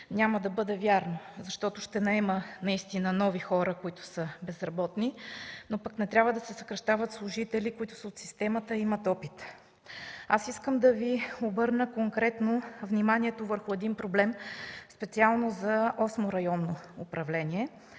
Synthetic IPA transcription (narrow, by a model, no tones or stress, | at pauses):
nʲaməd̪ɐbɤd̪ɛvʲjaɾnozɐʃt̪ɔt̪ʊʃt̪ɛnɐɛmənɐist̪inənɔvixɔɾəkoit̪ʊ̥səbɛzɾɐbɔt̪ninopɐknɛt̪ɾʲabvəd̪ɐsɛsɐkɾɐʃt̪avət̪slˠʊʒit̪ɛlikʊit̪ʊ̥səot̪sist̪ɛmət̪əimət̪ɔpit̪ | asiskəmd̪ɐviobɤɾnəkoŋkɾɛt̪novnimanʲiɛt̪ovəɾxʊɛd̪inpɾoblɛmspɛt̪sialˠnozɐɔsmoɾɐjɔnːoʊpɾɐvlɛnʲiɛ